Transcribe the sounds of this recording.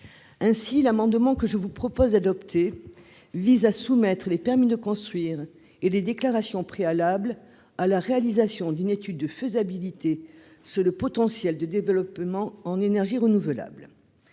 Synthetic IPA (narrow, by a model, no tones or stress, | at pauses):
ɛ̃silamɑ̃d̪mɑ̃kəʒəvupχɔpɔzd̪ad̪ɔpt̪ʰe | vizasumɛt̪χəlepɛʁmid̪əkɔ̃st̪χɥiʁ | eled̪eklaʁasjɔ̃pχealabl | alaʁealizasjɔ̃d̪ynet̪yd̪̚ːəfəzabilit̪e | syʁləpɔt̪ɑ̃sjɛld̪əd̪evəlɔpmɑ̃ɑ̃nenɛʁʒiʁənuvəla̰bl